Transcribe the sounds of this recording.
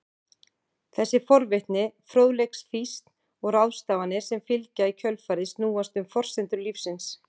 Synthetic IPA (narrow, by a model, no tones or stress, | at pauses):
θɛsːɪfɔɾvɪht̪nɪfɾoːwðlejksfist̪n̥ | ɔɣɾawðst̪aːvanɪ̥sɛmfɪlcaicʰœlfaːɾɪsnuːast̪ʏmfɔr̥sɪnt̪ʏɾlifsɪns